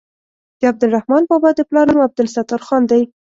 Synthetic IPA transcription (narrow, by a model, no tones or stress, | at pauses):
d̪̥əab̚d̪ɪlrahmɑnbɑbɑd̪əplɑɾnumab̚d̪ɪlsat̪aɾxɑnd̪aj